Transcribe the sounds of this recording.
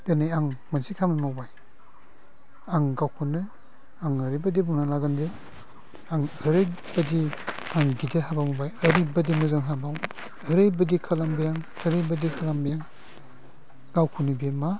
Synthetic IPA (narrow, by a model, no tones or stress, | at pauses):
d̥enajaŋmansikʰamimawbaj | aŋɡawkʰunɯ | aŋɯɾibadibunalaɡɯnde | aŋɯɾɯjbadi | aŋɡideɦabamɔbajɐɾibadimɯzɯŋɦabaw | ɯɾɯjbɐdikʰalambajaŋtʰaɾɯjbadikʰalambijaŋ | ɡawkʰunɯbema